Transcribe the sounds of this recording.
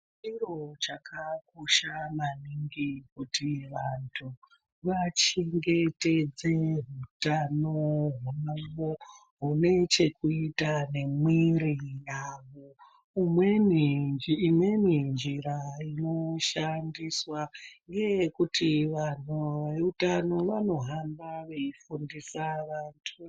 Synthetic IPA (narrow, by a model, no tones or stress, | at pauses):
iro̞t͡ʃakʰakoʃamaniŋɡik̚utiʋantʰu | ʋat͡ʃeŋɡe̞te̞d͡zeɦutanoɦumuŋɡo | ɦune̞t͡ʃe̞kuitane̞mwirijaʋo | imweniːmwe̞nind͡ʒiɾaino̞ʃandiswaŋɡe̞jkutʰiʋan̤ueutano̞ʋano̞ɦambaʋe̞ifundisaʋantʰu